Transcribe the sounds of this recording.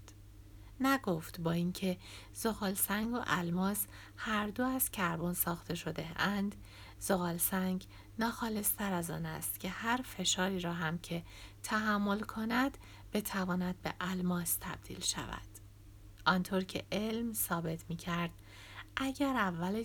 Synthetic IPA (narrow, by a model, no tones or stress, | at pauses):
næɡo̞ft̪bɒːincʰe̞ | z̥o̞ɣɒːlsæŋɡo̰ʔælmɒːs | hæɾd̪oæz̥cʰæɾbonsɒːxt̪ʰe̞ʃo̞d̪eænd̪ | z̥oɣɒːlsæŋɡ | nɒːxɒːle̞st̪ʰæɾæzɒ̰ːnæ̰st̪cʲʰe̞hæɾfe̞ʃɒːɾiːɾɒːɦæmcʰe̞ | t̪ʰæɦæmːo̞lkʰonæd̪̥ | b̥e̞t̪ʰævɒːnæd̪̚be̞ʔælmɒːst̪ʰæb̥̚d̪̥ḭːlʃæ̰væ̰d̪̥ | ʔɒnt̪ʰoɾcʰe̞̰ʔe̞lmsɒːbe̞t̪ʰmiːcʰæɾd̪̥̚ | ʔæɟæɾævːæle